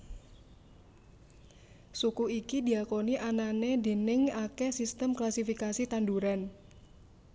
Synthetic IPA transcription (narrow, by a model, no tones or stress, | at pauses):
sukuikid̪i̤akoniʔananed̪e̤nɪŋakesist̪əmklasifikasit̪anduɾan